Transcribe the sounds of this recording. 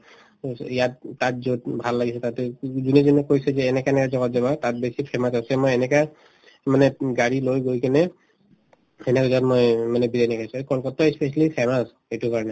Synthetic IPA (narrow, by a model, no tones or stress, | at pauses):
ijat̚ːat̚zotbʱalːaɡisɛtatɛzunɛzunɛkojsɛzɛːnɛkaɛnɛkazɔɡɔt̚zabatat̚besipʰɛmasasɛmojɛnɛka | manɛɡaɹilojɡojkanɛ | ɛnɛkazɔtmojmanɛbidanakʰajsũekɔlkɔtɔɛspesalipʰɛmas | ejtukaɹnɛ